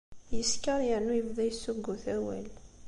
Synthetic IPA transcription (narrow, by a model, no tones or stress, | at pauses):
jəskəɾˤjəʕnːujəvðæjəsːuɡːuθæwæ̰l